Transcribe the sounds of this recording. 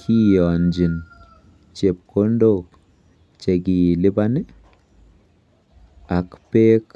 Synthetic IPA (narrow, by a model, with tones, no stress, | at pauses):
kʰi˦jɔ˨nd͡ʒi˨n | t͡ʃe˨p̚ko˦ndo˦k | t͡ʃe˨ɡi˨li˦ba˦ni˦ | a˨kpe˦k